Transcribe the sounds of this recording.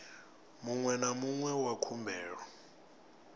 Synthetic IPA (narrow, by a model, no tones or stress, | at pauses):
muŋwɛnamuŋwɛwakʰumbʱɛːɺɔ